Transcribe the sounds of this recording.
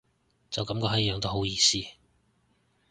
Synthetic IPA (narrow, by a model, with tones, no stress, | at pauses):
t͡sɐ˨wkɐ˨˥mkɔː˧˥ɦɐ˨˥jjœː˨˧ŋt̪o˥ɦo˨˥wjiː˨˧siː˥